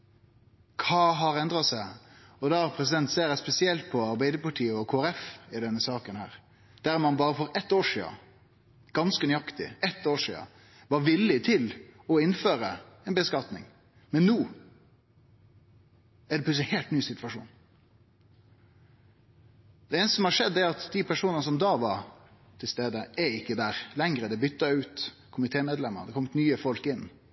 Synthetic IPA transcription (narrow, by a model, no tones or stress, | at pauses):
kʰɑːɦɑɾɛnd̪ɾɑsæɪɔd̪ɑpʰɾɛs̬ɪd̪ɛnt̪seːɾjæspɛsɪɛlt̪̚pʰɔɑɾbæɪd̪əpɑʈʰiːəɔkʰoːæɾɛfɪd̪ɛnːəsɑːkənhæ̰ːɾ | d̪̥æɾmɑnbɑːɾəfɔɾɛt̪ːoːʂḭːɑ̰ | ɡ̥ɑnskənʏɑkt̪ɪ̰ʔɛt̪ːoːʂḭːɑ̰ | ʋɑʋɪlːɪt̪ʰɪlɔɪnføːɾəɛnbəskɑt̪nɪ̰ŋ | mɛnːuː | æɖ̪ɛpʰlʉslɪheːlt̪nyːsɪt̪ʋɑʂṵːn | d̪ɛɛːnsəsɔmhɑʂɛd̪ːɛæɾɑt̪d̪ipʰæʂuːnənəs̬ɔmd̪ɑːʋɑɾ | t̪ʰɪlst̪eːd̪əʔɛɪkːəd̪æːɾlɛŋɾəd̪ɛbʏt̪ːɑʉːt̪ | kʰʊmɪt̪ʰeːmeːd̪lɛmːə̰ɾd̪ɛkʰɔmət̪nyːəfɔlkɪnː